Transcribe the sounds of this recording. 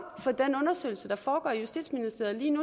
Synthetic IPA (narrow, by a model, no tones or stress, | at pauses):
fɒ̽d̥enɔ̽nɐsø̰ɪl̩səd̥ɑ̈fɒːɡ̥ɒ̰jusd̥id̥sminisd̥e̝ɐð̩ˠliːnu